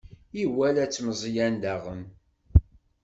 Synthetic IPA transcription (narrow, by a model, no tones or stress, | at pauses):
iwælæt͡sːməzˤjænd̪æʁəm